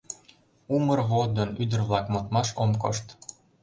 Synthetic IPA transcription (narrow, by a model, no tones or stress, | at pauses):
umərɣod̪ənyd̪ə̆rβlɑkmot̪mɑʃomko̰ʃt̪